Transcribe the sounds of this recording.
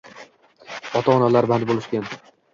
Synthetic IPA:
ɒt̪ʰaːnalaɾband̪bolˠɪʃkʲan

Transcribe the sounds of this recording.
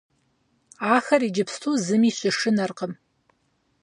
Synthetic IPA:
aːxɐrid͡ʒɪpʰstʰuzɨmiɕʷʼɐʂɨnɐrqəm

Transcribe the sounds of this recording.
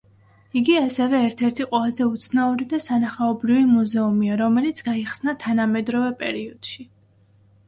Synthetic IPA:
iɡiasɛvɛːɾt̪ʰɛɾt̪ʰiqʼwɛlˠazɛut̪sʰnauɾid̪asanaχaɔbɾivimuzɛumiaɾɔmɛlit̪sʰɡaiχsnat̪ʰanamɛd̪ɾɔvɛpʼɛ̰ɾiɔd̪̥ʃi

